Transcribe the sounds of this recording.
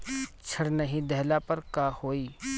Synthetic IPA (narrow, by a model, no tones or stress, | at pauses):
t͡ʃʰɐɽnɐɦĩd̪ɛɦlapɐɾkaːhoːiː